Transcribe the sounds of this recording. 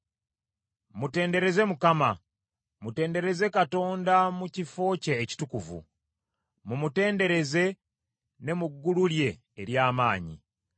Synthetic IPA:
mute̞ːnde̞ɾe̞ze̞mukama | mute̞ːnde̞ɾe̞ze̞kato̞ːndamucifo̞ːceːci̥tukuvṵ | mumute̞ːnde̞ɾe̞ze̞ | ne̞muɡːululje̞ː | ɾjaːmaːɲḭ

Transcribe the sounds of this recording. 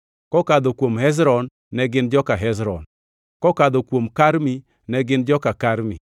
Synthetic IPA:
kɔkad̪ɔkwomhɛz̬ɾɔnː | ɛɡɪnd͡ʒɔkaɦɛzɾɔ̰n | kɔkad̪ɔkwomkaɾmi | nɛɡɪnd͡ʒɔkakaɾmi

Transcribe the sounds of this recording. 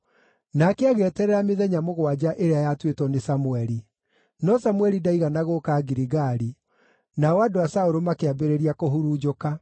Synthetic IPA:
naːkeaɣeɛtɛɾɛɾameðɛɲamoɣwad͡ʑaʔeɾeajatwetwɔnesamuɛɾi | nɔsamwɛɾidaiɣanaɣokaɡiɾiɣaɾi | naɔadoasaoɾomakeabeɾeɾiakoɦuɾuːd͡ʒoka

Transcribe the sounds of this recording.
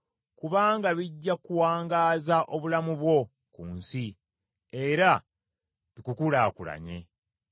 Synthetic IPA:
kuβaːŋɡaβiɟːakuwaːŋɡaːzaʔo̞βulamuβwo̞ | kuːnsi | eɾa | βikukulaːkula̰ɲe̞̰

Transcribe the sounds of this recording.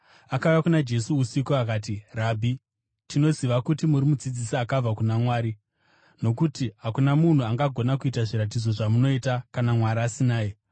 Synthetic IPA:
akaujakunad͡ʒe̞suusikoakaːt̬irabʱi | tino̞ziʋakutimuɾimud͡zid͡zisiakab͡vakunamwaːɾi | no̞kutiɦakunamun̤uaŋɡaɡʱo̞nakuitaʐiɾat̬id͡zo̞ʐamuno̞itakanamwaɾaːsinaːje

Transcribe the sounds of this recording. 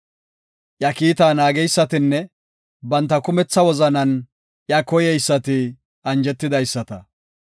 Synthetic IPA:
ʔjɐkiːt̪aːnaːɡɛjsːɐt̪ɪnːɛ | bɐnt̪ːɐkʊmɛt͡sːɐwɔzɐnɐn | ʔjɐkɔjɛjsːɐt̪ɪ | ɐnd͡ʒɛt̪ːɪd̪ɐjsːɐt̪ɐ

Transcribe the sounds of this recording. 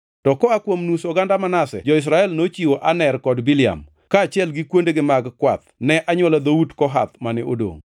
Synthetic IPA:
tɔkɔakwomnusoɡandamanasɛ̰d͡ʒɔɪs̬ɾaɛlnot͡ʃiwoʔanɛrkɔdwilɪa̰m | kaːt͡ʃɪɛlɡɪkwondeɡɪmaɡkwat̪̚nɛʔaɲwɔlad̪audkɔɦa̰t̪manɪodo̰ŋ

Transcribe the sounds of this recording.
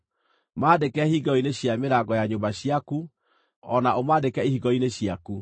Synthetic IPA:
maːdekɛhiɡɔineɕjameɾaɡɔjaɲombaɕiaku | ɔnaʔomaːdekɛihiɡɔineɕiaku

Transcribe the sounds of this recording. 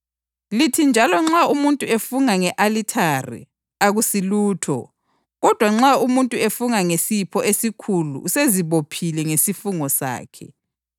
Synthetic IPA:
litʰind͡ʒʱalɔŋ͡ǁaumuntʼuefuŋaŋɛʔalitʰarḭ | aɣusiluːtʰɔ̰ | ɣɔd̥ʱwaŋ͡ǁaumuntʼuefuŋaŋesipʰɔʔesikʰulṵuseziβopʰilɛŋesifuŋɔsa̰ːkʰɛ̰

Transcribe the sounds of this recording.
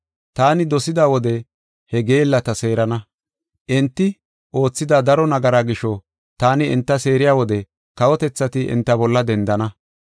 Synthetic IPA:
t̪aːnɪd̪ɔsɪd̪aːwɔd̪ɛ | hɛɡe̞ːlːɐt̪ɐse̞ːɾɐnɐ | ʔɛnt̪ːɪ | o̞ːt͡sːɪd̪aːd̪ɐɾɔnɐɡɐɾaːɡɪʃɔ | t̪aːnɪɪnt̪ːɐse̞ːɾɪjaːwɔd̪ɛ | kɐwɔt̪ɛt͡sːɐt̪ɪʔɪ̰nt̪ːɐbɔlːɐd̪ɛnd̪ɐnɐ

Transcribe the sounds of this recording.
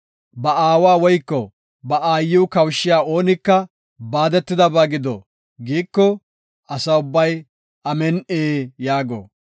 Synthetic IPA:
bɐaːwaːwɔjkːɔ | bɐʔaːjːɪwʊkɐwʃːɪjaːo̞ːnɪkːɐ | baːd̪ɛt̪ːɪd̪ɐbaːɡɪd̪ɔ̰ | ɡiːkːɔ | ɐsɐʊbːɐj | ʔɐmɛnʔeːjaːɡo̰ː

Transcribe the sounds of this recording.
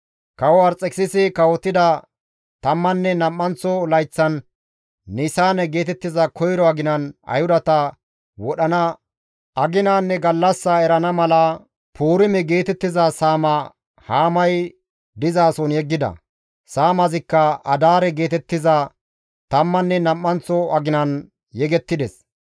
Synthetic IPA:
kɐwɔɐɾt͡sʼːɛksɪsɪkɐwɔt̪ːɪd̪ɐ | t̪ɐmːɐnːɛnɐmːɐnt͡sːɔlɐjt͡sːɐnː | ɪsaːnɛɡe̞ːt̪ɛt̪ːɪzɐkʰɔjɾɔɐɡɪnɐnɐ̰jhʊd̪ɐt̪ɐ | wɔɗɐnɐ | ɐɡɪnaːnːɛɡɐlːɐsːɐɛɾɐnɐmɐlɐ | pʰuːɾɪmɛɡe̞ːt̪ɛt̪ːɪzɐsaːmɐ | haːmɐj | d̪ɪzaːsɔnjɛɡːɪd̪ɐ̰ | saːmɐzɪkːɐɐd̪aːɾɛɡe̞ːt̪ɛt̪ːɪzɐ | t̪ɐmːɐnːɛnɐmːɐnt͡sːɔɐɡɪnɐn | jɛɡɛt̪ːɪd̪ɛs

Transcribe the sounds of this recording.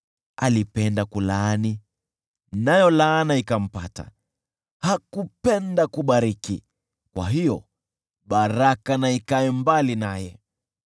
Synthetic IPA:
alipɛndakulaani | najɔlaːnaikam̩pa̰ta̰ | hakupɛndakuɓaɾikḭ | kwa̰ɦijɔ | ɓaɾakanaikaɛmbalinajɛ

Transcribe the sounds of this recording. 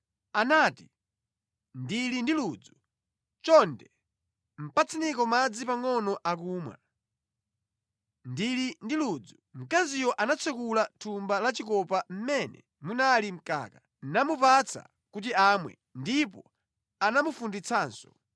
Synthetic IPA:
anaːti | ndilindiluːd͡zu | t͡ʃɔndɛ | m̩pat͡sʰinikɔmad͡zipaŋɔnɔʔakuːmwa̰ | ndilindiluːd͡zum̩kazijɔʔanat͡sʰɛkulatʰumbalat͡ʃikɔpam̩mɛnɛ̰ | munalim̩ka̰ːka | namupat͡sʰa̰ | kut̬iamwɛ̰ | ndipɔ | anamufundit͡sʰaːnsɔ

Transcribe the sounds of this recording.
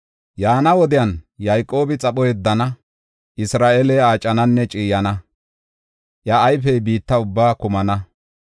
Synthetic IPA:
jaːnɐwɔd̪ɪjɐnjajkʼːo̞ːbɪt͡sʼɐpɔjɛd̪ːɐnɐ | ɪsɾaːʔelɛaːt͡ʃʼːɐnɐnːɛt͡ʃʼiːjɐnɐ | ʔjɐːjfɛjbiːt̪ːɐʊbːaːkʊmɐnɐ

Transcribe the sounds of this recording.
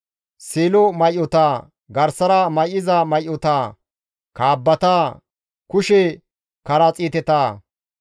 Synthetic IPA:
seːlɔmɐjʔɔt̪aː | ɡɐɾsɐɾɐmɐjʔɪzɐmɐjʔɔt̪aː | kaːbːɐt̪aː | kʊʃɛ | kɐɾɐt͡sʼiːt̪ɛt̪aː

